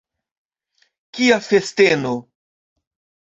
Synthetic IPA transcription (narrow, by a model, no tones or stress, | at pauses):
kiafesteno